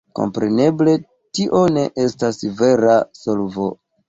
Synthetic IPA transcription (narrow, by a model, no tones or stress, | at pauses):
ko̞̰mpɾe̞ne̞ble̞ | tiʔo̞ne̞ʔe̞stasve̞ɾaso̞lvo̰